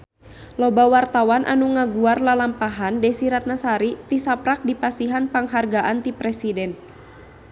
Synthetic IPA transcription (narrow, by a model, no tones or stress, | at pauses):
lɔbawart̪awanʔa̰nuŋaɡuarlalampaɦandɛsiɾat̪̚nasaɾit̪isapɾak̚dipasiɦanpaŋɦarɡaʔant̪ipɾɛsidɛn